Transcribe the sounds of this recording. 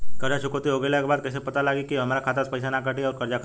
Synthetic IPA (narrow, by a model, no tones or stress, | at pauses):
k̪əɾjaɕukot̪ioɡeljakbad̪̚kəsepət̪alaɡikiɦəmaɾakʰat̪at͡spəjsanakaʈiəɾkəɾd͡ʑakʰ